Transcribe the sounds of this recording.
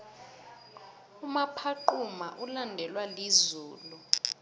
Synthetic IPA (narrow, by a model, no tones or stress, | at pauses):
umapʰaǃumaʔulandʱɛlwalizuːlu